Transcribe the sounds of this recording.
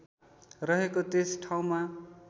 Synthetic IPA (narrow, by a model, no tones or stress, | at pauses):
rʌɦekot̪esʈʰaw̃ma